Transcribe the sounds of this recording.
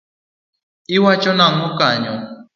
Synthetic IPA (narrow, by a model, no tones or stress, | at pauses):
iwat͡ʃɔnaŋ̩ʊkaɲɔ